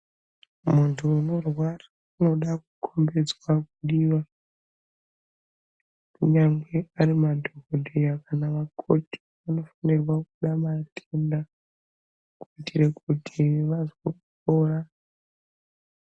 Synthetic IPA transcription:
muntʰuːno̞rwara | uno̞ɗak̚ukʰo̞mbe̞d͡zwakuɗiʋa | kuɲaŋɡe̞arimadʱokodʱejakanaʋakʰo̞ti̥ | ano̞fanerwakuɗamatʰenda | kuitʰirekutʰiʋazwokukoːra

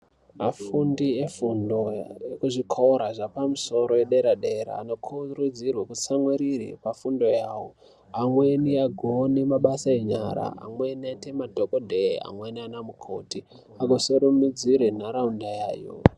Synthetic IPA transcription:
mafundiefundo̞ekuʐikʰoɾaʐapamuso̞ɾo̞jeɗeɾaɗeɾa̰ːno̞kʰurud͡zirwakut͡samweɾirḛpafundo̞jaːwo | amwe̞niaɡʱoːnemaɓasae̞ɲa̰ɾa̰a̰mwe̞niatemadʱokodʱea̰mwenianamukʰo̞̰ti | aɡʱosoɾumid͡ziɾenaɾaundaja̰ːjo̰

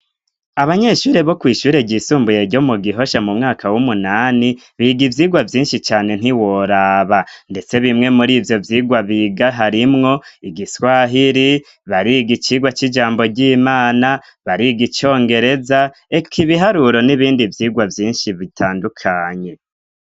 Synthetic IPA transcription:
aβaɲe̞ʃuːɾe̞βo̞kwiːʃuːɾe̞ɟiːsuːmbuje̞ɟo̞muɡiɦo̞ʃamumŋaːkʰawumunaːni | βiɡivjiːɡwavjiːnʃit͡ʃaːne̞n̥iwo̞ɾaːβande̞t͡se̞βimŋe̞muɾiːvjo̞vjiːɡwaβiɡaɦaɾimŋo̞iɡiswaːɦiɾi | βaɾiɡit͡ʃiːɡwat͡ʃid͡ʒaːmbo̞ɟiːmaːna | βaɾiɡit͡ʃo̞ːŋɡe̞ɾe̞za | ekʰiβiɦaɾuɾo̞niβiːndivjiːɡwavjiːnʃiβitʰaːndukʰaːɲe̞

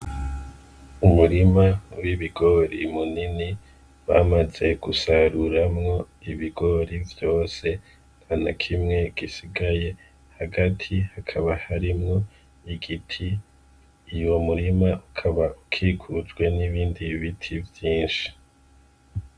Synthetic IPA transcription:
umuɾimawiβiɡo̞ɾḭmunini | waːmaze̞ɡ̥usaɾuɾamŋo̞ | iβiɡo̞ɾivjo̞ːse̞ | n̥hanakʰimŋe̞ɡ̥isiɡaje̞ | haɡatʰihakʰaβahaɾimŋo̞ | iɡitʰiː | jo̞muɾimaʔukʰaβaukʰiːkʰud͡ʒɡwe̞niβiːndiβitʰivjiːnʃi̥

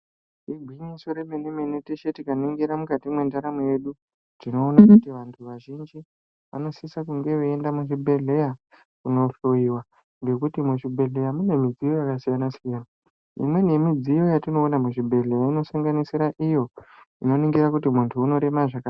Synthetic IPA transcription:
iɡʱwiɲiso̞ɾemeneme̞neteʃe̞tikaniŋɡiɾamukatimwe̞ndaɾamuje̞ɗu | tino̞ːnakutiʋantʰuʋaʒind͡ʒi | ʋa̰no̞sisakuŋɡe̞ʋeendamuʐibʱe̞ɮe̞ja | kuno̞ɬoiwa | ŋɡe̞kutimuʐibʱe̞ɮe̞jamune̞mid͡zijo̞jakasijanasijaːna | ḭmwe̞nemid͡zijo̞jatino̞ːnamuʐibʱe̞ɮe̞jaino̞saŋɡanisiɾaʔijo̞ | ino̞niŋɡiɾakutimuntʰuːno̞ɾe̞maʐaka

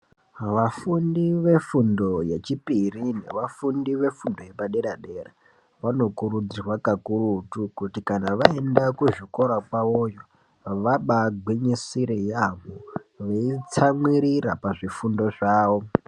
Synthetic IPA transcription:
ʋafundiʋe̞fundo̞je̞t͡ʃipirine̞̰ʋafundiʋe̞fundo̞je̞paɗe̞ɗaɗe̞ra | ʋano̞kuɾud͡zirwakakurutukutikanaʋaendakuʐiko̞ɾakwaojo̞ | ʋaɓaɡwiɲisiɾejamoʋeit͡samwiɾirapaʐifundo̞ʐaːwo̞

